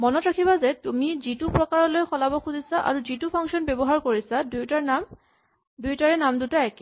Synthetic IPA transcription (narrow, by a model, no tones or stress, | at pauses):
mɔnɔtɹakʰibazɛtumizitupɹɔkaɹɔlojxɔlabɔxuzisaʔa̰ɹuzitupʰaŋsɔnbɔbɔɦaɹkoɹisadujtaɹnam | dujtaɹɛnamdutaɛk